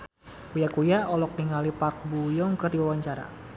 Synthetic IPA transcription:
kujakujaɔlɔk̚niŋalipark̚bujɔŋkərdiwawaɲt͡ʃaɾa̰

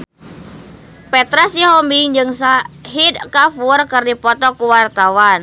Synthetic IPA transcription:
pɛt̪ɾasiɦɔmbiŋd͡ʒɨŋsaɦid̪̚kafurkɨrdipɔt̪ɔkuwart̪awan

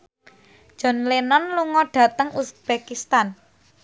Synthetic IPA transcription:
ʒ̥ɔ̤nlenɔnluŋɔɖ̥ä̤t̪əŋusb̥ekist̪an

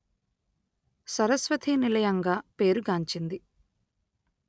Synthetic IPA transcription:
sɐɾɐsʋɐt̪ʰinilɐjɐŋɡaːpe̞ːɾuɡaːɲt͡ʃind̪i

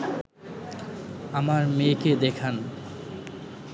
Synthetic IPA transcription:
amaɾmeked̪ekʰan

